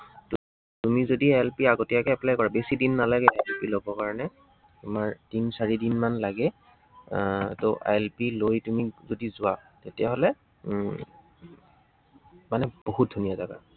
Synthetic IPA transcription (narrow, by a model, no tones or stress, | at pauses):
tʊ | tumizodiaɛlpiaɡotijakɛɛplajkɔɹabesidinːalaɡɛajɛlpilobɔkaɹɔnɛ | tʊmaɹd̥insaɹidinmanlaɡɛ | toʔa̰jɛlpilojtumizodizʊatetijaɦolɛ | manɛboɦut̚dʱunijazaɡa̰